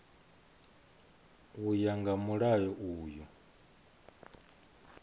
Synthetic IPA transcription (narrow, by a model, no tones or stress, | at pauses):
ujaŋɡamuɺajɔʔuːju